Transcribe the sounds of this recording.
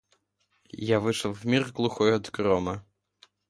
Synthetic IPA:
javɨʂəlˠvmʲirɡlˠuxɔjɐd̪ɡɾɔmɐ

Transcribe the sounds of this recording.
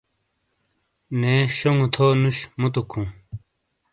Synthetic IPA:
neɕoŋut̪ʰoːnuɕmut̪̬ukʰũ

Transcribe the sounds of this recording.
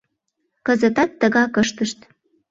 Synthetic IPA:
kə̆zət̪ɑt̪ːə̆ɣɑkəʃt̪əʃt̪

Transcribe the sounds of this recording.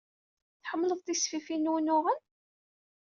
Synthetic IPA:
θħəmːləðˤθisfifinːwnʊʁən

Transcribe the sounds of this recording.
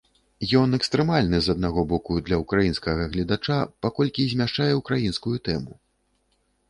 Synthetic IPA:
jɔnɛkst̪ɾɛmalʲnɨzɐd̪̚naɣɔbɔkud̪lʲɐukɾajinskɐɣɐɣlʲid̪at͡ʂapakɔlʲkʲizʲmʲaʂt͡ʂajɛwkɾajinskujut̪ɛmu

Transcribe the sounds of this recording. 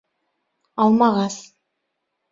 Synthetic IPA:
ɑlˠmɑʁɑs

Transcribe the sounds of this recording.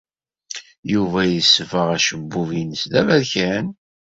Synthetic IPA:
juvæjəsːvəʁæʃəbːuvinəsðævæðçæn

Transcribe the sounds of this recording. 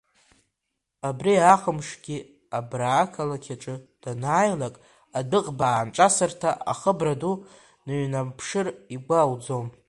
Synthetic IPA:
abriaχəmʂɡʲi | abraːkʰalakʲʰaʈ͡ʂʼɨd̥anaːjlakʼ | adɨqʼbaːnʈ͡ʂʼasɨrtʰaʔa̰χəbradu | nɨɥnapʰʂɨriɡʷawd͡zom

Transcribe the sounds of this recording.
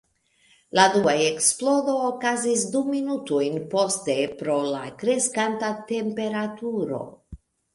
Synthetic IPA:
laduaeksplo̞do̞ːkazisduminutojnpo̞ste̞pɾo̞lakɾe̞skantate̞mpe̞ɾatuɾo̞̰

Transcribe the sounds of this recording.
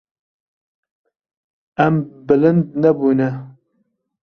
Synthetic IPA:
æmbɨlɨnd̪̚nɐbuːnɛ

